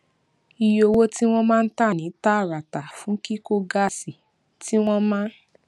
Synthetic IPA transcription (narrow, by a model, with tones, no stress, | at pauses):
i˧jo˧wo˦ti˦w̃ɔ̃˦mãː˦˧n̩˦ta˦˨nĩ˨˦ta˦˨ɾa˨ta˨fũ˨˦ki˦ko˦ɡa˦˨si˨ | ti˦w̃ɔ̃˦mãː˦